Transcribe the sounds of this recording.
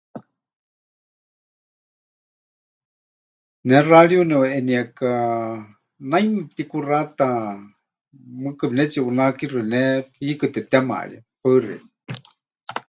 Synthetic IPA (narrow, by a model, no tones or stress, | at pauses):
nɛraɺjunɛʔɛniaka | najmɨt̪ikurat̪a | mɨkɨbnɛt͡siʔunakirɨnɛpʰikɨt̪ɛt̪ɛma̰ʔɺiapaɨrḭ